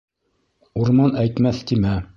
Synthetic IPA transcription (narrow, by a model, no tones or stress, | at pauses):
uɾmɑnæjt̪mæθt̪imæ